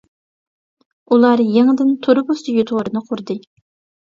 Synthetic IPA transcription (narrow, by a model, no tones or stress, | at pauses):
ulˠɑɾjeŋɨd̪ɪnt̪ʰoɾɨbost̪ɨjot̪ʰʁʊɾɨnɨqʰʊɾd̪ɨ